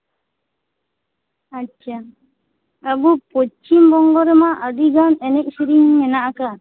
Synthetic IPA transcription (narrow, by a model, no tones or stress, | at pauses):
at͡ʃʰa | əbupɔt͡ʃimbɔŋɡɔɾɛmaʔədiɡanɛnɛc̚siɾiŋɲɛnaʔkaɾ